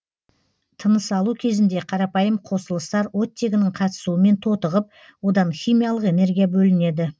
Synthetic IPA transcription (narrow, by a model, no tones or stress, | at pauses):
t̪ʰənəsɑlˠukʲʰe̞zɪnd̪e̞qʰɑɾɑpɑjəmqʰo̞səlˠəst̪ɑɾwo̞t̪ːe̞ɡʲɪnɪɴqʰɑt̪ə̥suəme̞nt̪ʰo̞t̪əʁəp̚ | wo̞d̪ɑnχʲijmʲijaɑlˠəqe̞ne̞ɾɡʲijabɵlɪne̞d̪ɪ